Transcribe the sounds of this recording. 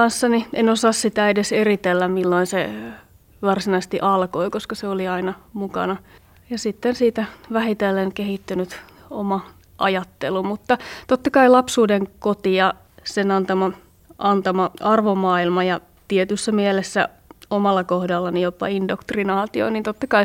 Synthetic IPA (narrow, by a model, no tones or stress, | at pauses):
ɑnsːɑniʔenosɑːssit̪æedeserit̪elːæmmilːoinse | ʋɑrsinɑise̥st̪iʔɑlkoikoskɑseoliɑinɑmukɑ̰nɑ | jɑsit̪ːensiːt̪æʋæhit̪elːeŋkehit̪ːynyt̪ | omɑ | ʔɑ̰jɑt̪ːelumut̪ːɑt̪ot̪ːɑkɑilɑpsuːdeŋkot̪ijɑ | senɑnt̪ɑmɑ | ʔɑnt̪ɑmɑɑrʋomːɑːilmɑjɑ | t̪iet̪ysːæmielesːæ̰ | omɑlːɑkohdɑlːɑnijopːɑ̰indokt̪rinɑːt̪io̰niːnt̪ot̪ːɑkɑi